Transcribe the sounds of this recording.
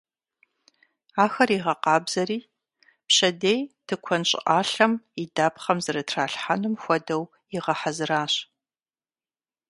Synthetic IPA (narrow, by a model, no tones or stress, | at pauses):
aːxɐriʁɐqɑːbz̥ɐriː | pɕɐdejtʰɨkʷʰɔnɕʼɪ̰ʔaːɬɐmidaːpχɐmzɨɾɐtʰraːɬħanumxʷɔdɐw | iʁɐħazɨɾaːɕ